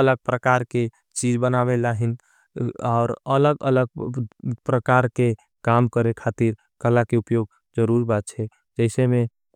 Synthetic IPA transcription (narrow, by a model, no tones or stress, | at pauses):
ələɡ̚pɾəkaɾke | t͡ʃid͡ʒbənaβelaɦin | aːɾələɡələɡ̚pɾəkaɾke | kamkəɾekʰat̪iɾ | kəlakeupjoɡ̚ | d͡ʒəɾuɾbat̪̚t͡ʃʰɛ | d͡ʒəɪseme